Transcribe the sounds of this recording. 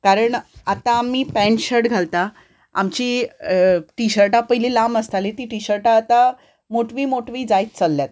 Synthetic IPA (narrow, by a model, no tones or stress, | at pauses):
kaɾəɳat̪aːmːiːpɛ̃ɳɕəʈɡʱalt̪a | a̰mt͡ɕiː | ʈiɕəɾʈapəjliːlaməst̪alit̪iːʈiɕəɾʈaːt̪a | moʈʋiːmoʈʋiːd͡zajt͡st͡səlːjat̪̚